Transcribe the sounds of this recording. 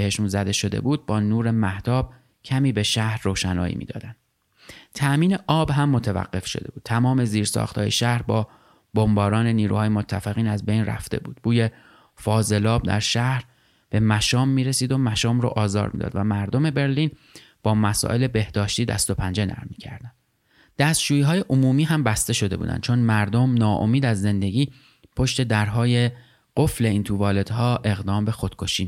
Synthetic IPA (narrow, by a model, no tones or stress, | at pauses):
heʃunzæd̪e̞ʃo̞d̪ḛbuːd̪̚bɒːnuːɾe̞mæht̪ɒːb̥̚ | cʰæmiːbe̞ʃæhɾːoːʃænɒ̰ːjḭːmḭd̪ɒ̰ːd̪ænd̪ | t̪ʰæʔmiːne̞ʔɒːbɦæmːot̪ʰevæ̰ɢːe̞fʃod̪e̞buːt̪̚t̪ʰæmɒːme̞ziːɾsɒ̰ːxt̪ʰɒ̰ːjeʃæhɾbɒː | bombɒːɾɒːne̞niːɾṵhɒːjemot̪ʰːæfeɣiːnæzbe̞jnræ̰ft̪e̞̰buːd̪̥̚b̥uːje̞ | fɒːze̞lɒːb̚d̪æ̰ɾʃæhɾ | b̥e̞mæʃɒːmːiːɾesiːd̪o̞mæʃɒːmɾo̰ʔɒːzɒ̰ːɾmḭːd̪ɒ̰ːd̪væmæɾd̪o̞me̞be̞ɾliːn | b̥ɒːmæsɒ̰ːʔe̞le̞be̞hd̪ɒːʃt̪iːd̪æ̰st̪o̞pʰænd͡ʒe̞næ̰ɾmːicʰæ̰ɾd̪æn | d̪̥æst̪d͡ʒuːjiːɦɒːje̞ʔomuːmiːɦæmbæst̪e̞ʃo̞d̪e̞bṵd̪æ̰n̥̚t͡ʃʰo̞nmæɾd̪omnɒːʔo̰miːd̪æzːe̞nd̪e̞ɟʲiː | pʰo̞ʃt̪e̞d̪æɾɦɒːje̞ | ɢ̥ofle̞iːnt̪ʰuːvɒːle̞d̪̥hɒːʔe̞ɣd̪ɒːmbe̞xod̪̥kʰo̞ʃiː